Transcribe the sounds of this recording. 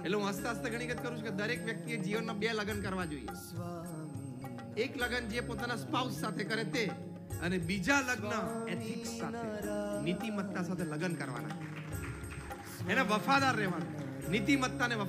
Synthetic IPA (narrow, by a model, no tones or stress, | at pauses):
eʈleɦũəst̪asat̪eɡʱəɽ̃iɡət̪̚kəɾũt͡ʃʰuked̪əɾekʋjək̚t̪ijed͡ʒiʋənːabeləɡənkəɾʋad͡ʒoḭjḛ | ekləɡənd͡ʒepot̪anaspawsːat̪ʰekəɾet̪e | ənebid͡ʒaləɡnəet̪ʰɪksat̪ʰenit̪imət̪ːasat̪ʰeləɡənkəɾʋa̰na̰t͡ʃʰe | eneʋəfad̪aɾːɛʋanu | nit̪imət̪ːaneʋə